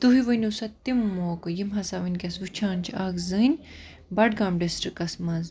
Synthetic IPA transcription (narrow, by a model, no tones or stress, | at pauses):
t̪uɦiʋɨnʲusɐt̪ːimːoːkɨjimɦɐsaːʋɨnʲkʲɐsʋut͡ʃʰaːnt͡ʃʰaːkzɨnʲ | bɐɖɡaːmɖisʈɾikːɐsmɐz